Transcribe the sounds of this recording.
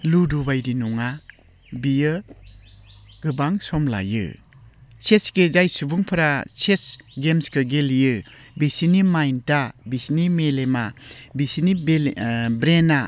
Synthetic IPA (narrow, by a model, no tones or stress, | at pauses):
ludubajdinuŋa | bijɯ | ɡ̥ɯbaŋsɔmla̰jɯ̰ | t͡ʃʰesɡed͡ʒajsubuŋpʰɯɾat͡ʃʰesɡemskʰɯɡeljɯ | bisinimajntabisinimelemabisini | bɾena